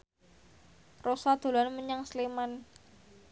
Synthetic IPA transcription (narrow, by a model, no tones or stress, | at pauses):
rosad̪̥o̤lanməɲaŋsleman